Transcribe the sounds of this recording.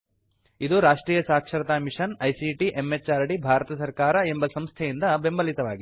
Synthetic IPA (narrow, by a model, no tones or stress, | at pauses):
id̪uɾaːʂʈɾiːjɐsaːkʂɐɾɐt̪aːmiʂɐnɐjsiʈiʔemːet͡ʃːaːɾɐɽibʱaːɾɐt̪ɐsɐɾkaːɾɐe̞mbɐsɐmst̪ʰɛjind̪ɐbe̞mbɐlit̪ɐʋa̰ːɡi